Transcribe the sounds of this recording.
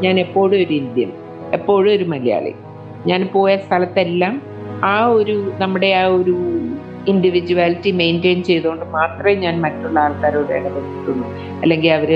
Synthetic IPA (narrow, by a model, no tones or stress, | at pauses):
ɲaːne̞pːo̞ːɽɨoɾuind̪jɐ̰m | e̞pːo̞ːɻɨo̞ɾumɐlija̰ːɭḭ | ɲaːnpo̞ːjɐst̪ʰɐlɐt̪ːe̞lːaːm | aːo̞ɾunɐmːuɽe̞aːo̞ɾu | indiʋid͡ʑuaːlitːime̞ːnde̞jnt͡ɕe̞jðoːɳɖɨmaːt̪rɐmeɲaːnmɐtːuɭːɐaːlkaːɾoːɽeɐɽɐpɐt̪ːiʈːuɳːu | ɐ̰lːe̞ŋɡilɐʋɐɾɨ